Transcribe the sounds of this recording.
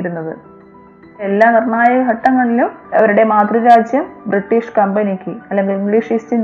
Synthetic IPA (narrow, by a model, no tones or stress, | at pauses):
iɾunːɐðɨ̰ | elːaːnirɳaːjɐɐɦɐʈːɐŋːɐɭilumɐʋɐɾuɽe̞maːt̪riɾaːd͡ʑjɐmbriʈːiːʂkɐmbɐnikʲːɨɐlːe̞ŋɡiliŋɡɭiːʂistin